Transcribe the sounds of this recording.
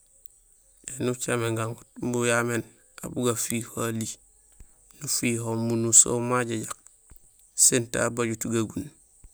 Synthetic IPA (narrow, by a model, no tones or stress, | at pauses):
ʔenut͡ʃameŋɡaŋɡut̚mbujamen | a̰buɡafiːholi | nufiɦomunuso̰maɟaɟak̚ | senta̰baɟutɡaɡun